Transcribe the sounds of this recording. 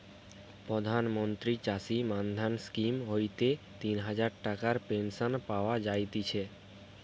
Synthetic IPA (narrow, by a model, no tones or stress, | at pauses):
pɾod̪ʱanmont̪ɾit͡ɕasimand̪ʱanskimɦojt̪e | t̪inɦad͡ʑaɾʈakaɾpenʃonpaoad͡ʑajt̪it͡ɕʰe